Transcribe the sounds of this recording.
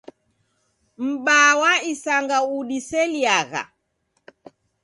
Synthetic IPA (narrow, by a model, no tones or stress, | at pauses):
m̩ɓaːwaisaŋɡauɗisɛliaɣa̰